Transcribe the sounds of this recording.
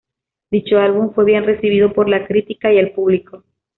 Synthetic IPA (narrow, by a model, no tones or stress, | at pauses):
d̪it͡ʃo̞alβuɱfwe̞βje̞nre̞siβ̞iðo̞po̞ɾlakɾit̪ikaielpuβliko̞